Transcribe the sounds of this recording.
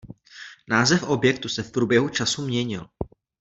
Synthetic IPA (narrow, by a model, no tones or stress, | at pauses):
naːzɛfʔo̞bjɛkt̪usɛfpɾuːbjɛɦut͡ʃasumɲɛɲɪ̰l